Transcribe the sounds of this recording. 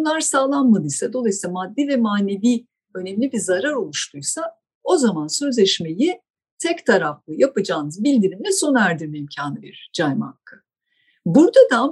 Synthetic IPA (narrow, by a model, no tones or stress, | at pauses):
unlˠaɾsaːlˠanmad̪ɯjsad̪o̞lˠajsilˠamad̪ːivɛmaːne̞viː | ø̞nɛmlʲibiɾzaɾaɾo̞lˠuʃt̪ʰujsa | o̞zamansø̞zlʲɛʃme̞ji | t̪ʰɛct̪ʰaɾaflˠɯjapɯd͡ʒaːnɯzbilʲd̪iɾimlɛso̞næɾd̪iɾmɛimcʰaːnɯbiɾd͡ʒajma̰kʰːɯ | buɾd̪ad̪a